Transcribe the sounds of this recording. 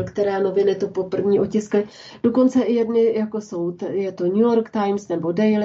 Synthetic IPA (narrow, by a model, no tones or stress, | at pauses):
lkt̪ɛɾaːno̞vɪnɪt̪upo̞pr̩vɲiːʔo̞cɪsklɪ | d̥o̞ko̞nt͡sɛʔɪjɛdnɪjako̞so̞wt̪jɛt̪oɲujoɾkt̪ajmsnɛbo̞dɛjl